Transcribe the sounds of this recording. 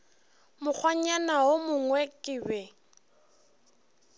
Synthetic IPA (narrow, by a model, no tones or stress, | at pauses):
mʊk͡xʰwaɲanaʊmʊŋwɛkʼɪbɛ